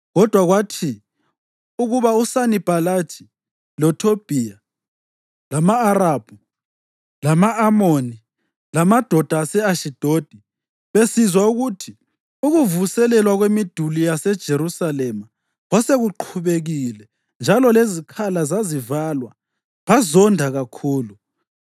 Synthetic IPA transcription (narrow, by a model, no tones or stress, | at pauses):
ɣɔd̥ʱwaɣwatʰi | uɣuβausanib̥ʱalḁʒ̥ʰʱʼi̥ | lɔtʰob̥ʱija | lamaːɾab̥ʱu | lamaʔamoni | lamad̥ʱɔd̥ʱasɛaʃid̥ʱod̥ʱi | βesizwauɣutʰi | uɣuvusɛlɛlwaɣwemid̥ʱulijasɛd̥ʒ̥ʱeɾusalɛma | ɔseɣuǃʰuβeɣilɛ | nd͡ʒʱalɔlezikʰalazazivalwa | βazɔndʱaɣakʰuːlu